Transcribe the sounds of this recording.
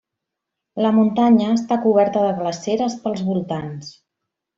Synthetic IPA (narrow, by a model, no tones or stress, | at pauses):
ləmunt̪aɲəːst̪akuβ̞ɛɾt̪əðəɣləseɾəspəlˠzβulˠt̪ans